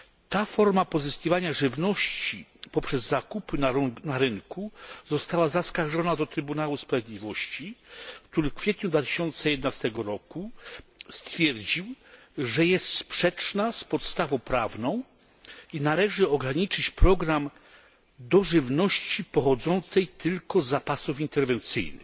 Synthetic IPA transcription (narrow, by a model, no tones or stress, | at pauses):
t̪afɔɾmapɔzɘskʲivaɲaʐɘvnɔɕt͡ɕipɔpʂɛzːakupɘnaɾɘŋkuzɔst̪awazaskaɾʐɔnad̪ɔt̪ɾɘbunawuspɾavʲeɛd̪ʲlʲivɔɕt͡ɕikt̪uɾɘfkfʲjɛt̪ɲud̪vat̪ɘ̥ɕɔnt̪sɛjɛd̪ɛnast̪ɛɡɔɾɔkust̪fʲjɛɾd͡ʑiw | ʐɛjɛst̪spʂɛt͡ʂnaspɔt̪st̪avɔ̃w̃pɾavnɔ̃w̃ | inalɛʐɘɔɡɾaɲit͡ʂɘt͡ɕpɾɔɡɾam | d̪ɔʐɘvnɔɕt͡ɕipɔxɔd̪zɔnt̪sɛjt̪ʰɘlkɔzːapasufint̪ɛɾvɛnt̪sɘ̰jnɘ̰x